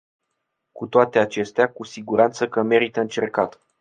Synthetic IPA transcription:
kut̪oat̪e̞at͡ʃe̞st̪eakusiɡuɾant̪səkəme̞ɾit̪əɨnt͡ʃe̞rkat̪

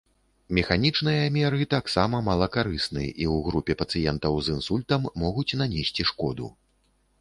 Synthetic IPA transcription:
mʲɛxanʲit͡ʂnɨjɐmʲɛɾɨt̪aksamɐmɐlˠɐkaɾɨsnɨʔiwɣɾupʲɛpɐt̪sɨjɛnt̪ɐwzinsulʲt̪ɐmːɔɣut͡sʲnanʲesʲt͡sʲiʂkɔd̪ṵ

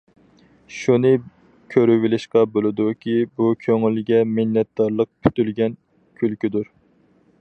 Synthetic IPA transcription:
ʃunɨ | kʲʰøɾywilɪʃqɑbolˠɨd̪ukʲʰibukʲʰøŋylɡʲɛmɪnːɛt̪̚d̪̥ɑɾlˠəq̚pʰy̥t̪ylɡʲɛn | kʲʰylkʲyd̪uɾ

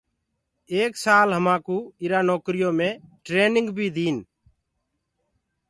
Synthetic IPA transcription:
eːksaːlɦəmãːkuːɪɾaːnoːkɾɪjoːmẽːʈɾeːnɪ̃ŋɡbʱiːd̪iːn

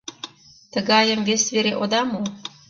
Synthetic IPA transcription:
t̪ə̆ɣɑjə̆mvʲesʲveɾeʔod̪ɑmo

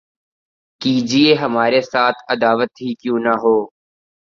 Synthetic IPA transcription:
kiːd͡ʒieɦɐmaːɾesaːt̪ʰəd̪aːʋət̪ɦikjũːnɐɦoː

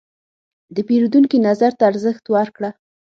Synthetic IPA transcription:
d̪əpeɾud̪uŋkinazaɾt̪aːɾzəxt̪waɾkɽa

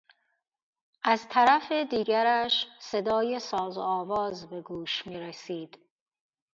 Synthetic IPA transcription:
ʔæzt̪ʰæɾæfed̪iːɡæɾæʃse̞d̪ɒːje̞sɒːzɒːvɒːzbe̞ɡuːʃmiːɾesiːd̪̥

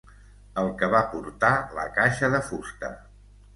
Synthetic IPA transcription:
əlˠkəβapuɾt̪alə̰kaʃəðəfust̪ə̰

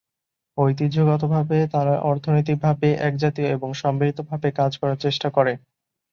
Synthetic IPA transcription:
ojt̪̬id͡ʑʱoɡɔt̪̬obʱabet̪aɾaʔɔɾt̪ʰonojt̪̬ik̚bʱabeʔɛk̚d͡ʑat̪ioeboŋʃɔmbilit̪obʱabekad͡ʑkɔɾaɾt͡ɕeʃʈakɔɾe

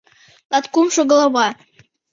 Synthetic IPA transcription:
lɑt̪kumʃoɣlˠɑβɑ

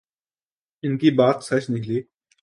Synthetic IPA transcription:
ɪnkiːbaːt̪sɐt͡ʃnɪkʰliː

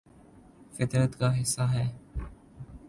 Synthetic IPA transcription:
fɪt̪ɾət̪kaːɦɪsːaːɦɛː

